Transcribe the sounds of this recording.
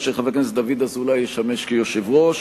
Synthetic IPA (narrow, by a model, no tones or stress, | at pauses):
ʃeχaveknesd̪avid̪azulajeʃameʃkejoʃevʁoʃ